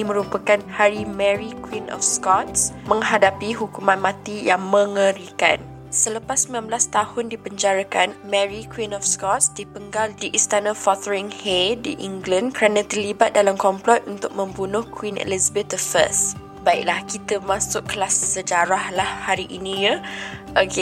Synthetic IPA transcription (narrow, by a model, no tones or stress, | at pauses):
imə̃ɾupəkanhaɾimɛɾikwinʔɔ̰fskɔt̪̚smə̃ŋɦadapiɦukumãnmãt̪ijaŋmə̃ŋəɾika̰n | sələpasːəmlamblast̪ahʊndibəɲd͡ʒaɾakanmɛɹikwinɔfskɔt̪sdipəŋɡaldiʔist̪anəfɔt̪əɹiŋhedḭʔiŋɡlankəɾanãt̪ərlibat̪̚dalamkɔmplɔt̪̚unt̪ʊk̚mə̃mbunʊhkwinḛlizəbet̪əfə̰s | baɪʔlahkit̪əmãsʊʔkəlasːəd͡ʒaɾahlahhaɾiʔinĩɲaʔəɡe